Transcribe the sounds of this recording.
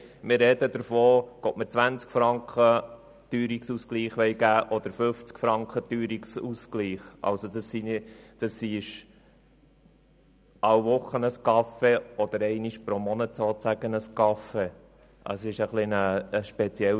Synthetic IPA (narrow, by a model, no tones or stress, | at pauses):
mɪɾɾɛd̥̪əd̪əɾfoːɡ̥oːtmət͡sʋænt͡skfɾɑŋkχə | t̪yːɾiksuskliːχʋɛɪɡæːʔɔd̪əɾføft͡skfɾɑŋkχət̪yːɾiksuskliːχɑ̰lsod̪ɑsːind̥ɑsːiʃ | ɑwʋʊχːənəskɑfeɔd̪əɾɛɪniʃpɾomɔnət̪soːtt͡sæɡ̥ənəskɑfe | ʔɑ̰sɪʃəχlɪnəəʃpɛt͡sjɛ